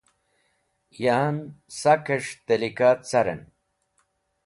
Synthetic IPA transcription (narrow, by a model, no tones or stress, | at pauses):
jaːnsakɐʂt̪elikaːt̪t͡saɾḛn